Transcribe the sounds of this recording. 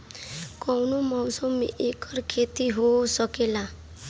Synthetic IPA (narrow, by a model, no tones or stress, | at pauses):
kɔwnomɔwsɔmeʔekʰɔɾkʰet̪iɦosɔkela